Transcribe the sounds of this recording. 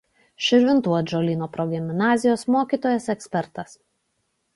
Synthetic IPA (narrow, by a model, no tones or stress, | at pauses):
ʃʲɪɾʲʋʲɪnt̪uɔd͡ʒolʲiːnoːpɾɔɡʲɪmʲnɑːzʲɪjoːsmoːkʲiːt̪oːjɛsɛksʲpʲɛɾt̪ɐs